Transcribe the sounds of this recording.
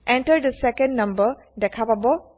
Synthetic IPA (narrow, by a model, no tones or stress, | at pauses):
ʔɛ̃ɳʈəɾɖdəsɛkə̃nɖnʌ̃mbə | ɖɛkʰapabɔ